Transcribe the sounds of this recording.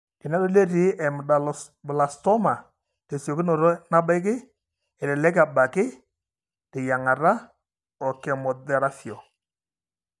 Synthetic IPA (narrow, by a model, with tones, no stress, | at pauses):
kɪ˨nɛ˦dɔ˦le˦ɾi˨˦ʔɛ˨mɪ˨ɗa˨l | bʊ˨la˨stɔ˦ma˨ | te˨sjɔ˨kɪ˦nɔ˨ɾɔ˦na˦ba˦ɪ˦k̬ɪ˦ | ɛ˨lɛ˨lɛ˦k̬a˨ba˨kɪ˦ | tɪ˨ja˨ŋa˨ɾa˦ | ɔ˨kɛ˨mɔ˨dɛ˦ɾa˦fjɔ˨